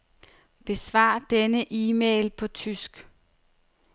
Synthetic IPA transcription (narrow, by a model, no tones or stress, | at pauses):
b̥e̝sʋɑ̰̈ːd̥enəʔiːmḛːlpʰɒ̽t͡sʰysɡ̥